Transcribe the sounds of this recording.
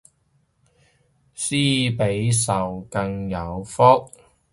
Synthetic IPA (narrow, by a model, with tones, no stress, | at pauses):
siː˥pe˨˥jsɐ˨wkɐ˧ŋjɐ˨˧wfɔ˥t̚